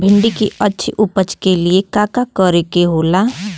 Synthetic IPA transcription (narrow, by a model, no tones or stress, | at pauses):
bʱɪ̃ɳɖikiʔətːʃʰiʔʊpət͡ʃkeliekaːkakəɾekeɦoːlaː